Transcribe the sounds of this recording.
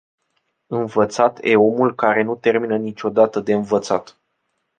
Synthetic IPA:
ɨnvət̪sat̪jʔe̞̰o̞mulkaɾe̞nut̪e̞rminənit͡ʃʲo̞d̪at̪əd̪e̞ɨnvət̪sat̪

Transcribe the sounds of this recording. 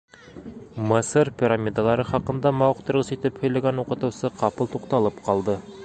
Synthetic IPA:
mɤsɤɾpʲiɾamʲid̪alˠɑɾɤχɑqɤ̆nd̪ɑmɑwɤ̆qt̪ɤ̆ɾʁɤsit̪ɘphɵ̆jlæɡænuqɤ̆t̪ɤ̆wsɤqɑpɤlˠt̪uqt̪ɑlˠɤpqʰɑlˠd̪ɤ

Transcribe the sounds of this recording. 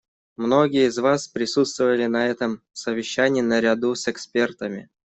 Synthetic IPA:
mno̞ɡʲɪjəɪzvaspɾʲɪsut̪st̪vəvəlʲɪnɐɛt̪əm | səvʲɪɕːænʲɪjːnəɾʲad̪usɛkspʲe̞rt̪əmʲɪ̰

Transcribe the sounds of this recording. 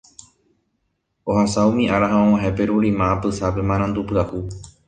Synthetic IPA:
ohasaumĩʔaɾaɦãõw̃ãɦepe̞ɾuɾimãːpɨsape̞mãɾãnd̪upɨahu

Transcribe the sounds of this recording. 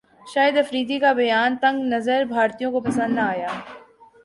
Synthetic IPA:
ʃaːjəd̪ɐfɾiːd̪ikabɐjaːnt̪ɐ̃ŋɡnɐzəɾbʱaːɾt̪ijõkopɐsə̃nd̪naaːjaː

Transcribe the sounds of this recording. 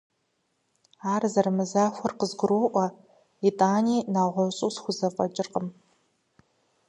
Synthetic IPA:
aːrzɐrmɨzaːxʷɔrqəzɡʷʊɾuːʔʷɔ | itʼaːniːnaːʁʷɔɕʼuːsxʷʊzɐfʼɐt͡ʃʼɪrqəm

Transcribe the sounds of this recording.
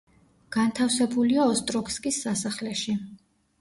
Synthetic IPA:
ɡ̥ant̪ʰafsɛbuliaɔst̪ʼɾɔkskʼisːasaχlɛʃi

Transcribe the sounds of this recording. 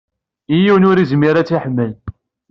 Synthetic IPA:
ijiwnʊɾizmiɾat͡sːiħmːəl

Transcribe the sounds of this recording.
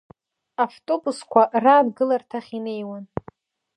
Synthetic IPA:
aftʼo̞buskʷaraːdɡɨlartʰaχʲinejwan

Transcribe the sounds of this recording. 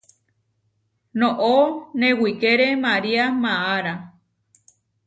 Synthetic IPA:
nõʔonẽwikeɾemaɾiamãaɾa

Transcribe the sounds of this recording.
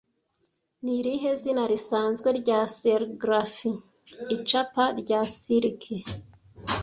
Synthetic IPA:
niɾiɦe̞zinaɾisaːnzɡwe̞ɾɟaːseɾɡɾafiː | t͡ʃapaɾɟaːsiɾkʰe

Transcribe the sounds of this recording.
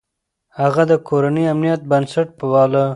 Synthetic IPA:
haɣad̪əkoɾanəamnijat̪̚bənsaʈ̚pəwɑla

